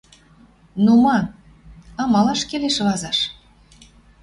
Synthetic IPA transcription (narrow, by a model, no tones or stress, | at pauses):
numɑ | ɑmɑlɑʃkeleʃlɑzɑʃ